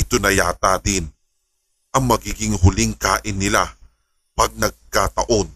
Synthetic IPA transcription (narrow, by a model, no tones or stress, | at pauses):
ʔɪt̪onɐjaːt̪ad̪ɪn | ʔɐŋmɐɡiːɡɪŋɦʊlɪŋkaːʔɪnːɪla | pɐɡ̚nɐɡ̚kat̪ɐ̰ʔo̞n